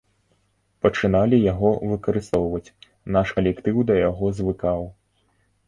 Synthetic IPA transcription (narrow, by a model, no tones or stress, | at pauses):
pɐt͡ʂɨnalʲijaɣɔvɨkɐɾɨst̪ɔwvɐt͡sʲ | naʂkɐlʲɛkt̪ɨwd̪ɐjaɣɔzvɨkaw